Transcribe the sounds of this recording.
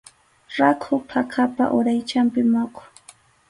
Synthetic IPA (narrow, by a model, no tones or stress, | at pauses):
ɾakʰʊpʰakʰapa̰ʔʊɾajt͡ʃampɪmokʊ̥